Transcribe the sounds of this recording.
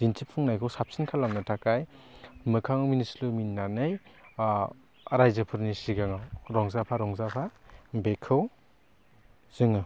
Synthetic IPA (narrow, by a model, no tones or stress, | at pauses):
d̥intʰipʰːɯŋnajkʰɯwsap̚sinkʰalamnɯtʰakajmɯkʰaŋɯwminisluminːanɯj | ɾajzɯpʰɯɾnisiɡaŋawɾɔŋzapʰaɾɔŋzapʰabekʰɯw | z̥ɯŋɯ